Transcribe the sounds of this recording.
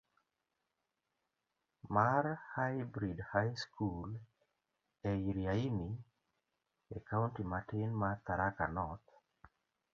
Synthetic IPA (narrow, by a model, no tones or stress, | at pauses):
maɾhajbɾidhajskʰul | ɛiɾjaimi | ɛkaʊntimatɪnmat̪aɾakanɔt̪